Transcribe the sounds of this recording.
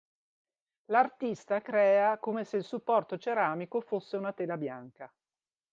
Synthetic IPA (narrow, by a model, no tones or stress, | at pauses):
lart̪ist̪akɾɛːakomeseilsupːɔrt̪ot͡ʃeɾaːmikofosːeunat̪eːlabja̰ŋka